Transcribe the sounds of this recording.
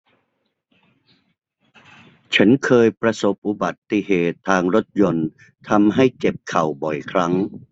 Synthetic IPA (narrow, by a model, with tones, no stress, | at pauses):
t͡ɕʰa˦˥nkʰɤː˧jpɾa˧so˨˩p̚ʔu˨˩ba˨˩t̪ːi˨ɦeː˨˩t̪ʰːaː˧ŋɾo˦˥t̪̚jo˧n | t̪ʰa˧mɦa˥˩jt͡ɕe˨˩p̚kʰa˨˩wbɔ˨˩jkʰɾa˦˥ŋ